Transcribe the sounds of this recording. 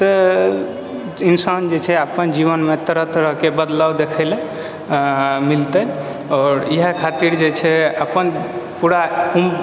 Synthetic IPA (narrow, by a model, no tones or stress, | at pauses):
t̪ə | insand͡ʒet͡ʃʰɛapənd͡ʒiβənmet̪əɾət̪əɾəɦkebəd̪lawd̪ekʰəɪle | milt̪ə | ɔːɾiɦəkʰat̪iɾd͡ʒet͡ʃʰɛəpənpuɾaum